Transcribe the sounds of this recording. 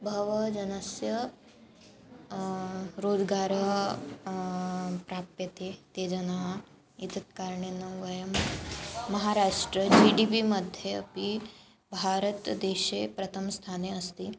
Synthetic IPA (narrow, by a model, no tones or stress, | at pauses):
bʱɐʋɐd͡ʒɐnɐsjɐ | ɾoːd͡ʒɡaːɾɐ | pɾapjɐt̪et̪eːd͡ʒɐnaɦɐ | it̪ɐt̪̚kaːɾɳenɐʋɐjɐmː | ɐɦaɾaːʂʈɾəd͡ʒiɖipimɐd̪ʱjeɐpi | bʱaːɾət̪d̪eːʃepɾɐt̪ʰɐmst̪ʰaːneɐst̪iː